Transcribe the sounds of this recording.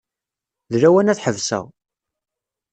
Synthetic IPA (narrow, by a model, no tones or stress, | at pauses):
ðɾæwænæθħəvsæ̰ʁ